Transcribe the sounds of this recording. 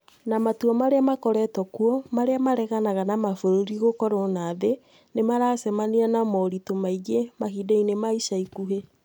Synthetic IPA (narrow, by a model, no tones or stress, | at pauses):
namatuɔmaɾeamakɔɾɛtɔkuɔmaɾeamaɾɛɣanaɣanamafoɾoɾiɣokɔɾonaːðe | nemaɾaːsɛmanianamɔɾitomaiɣemahideinemaiʃaikuɦe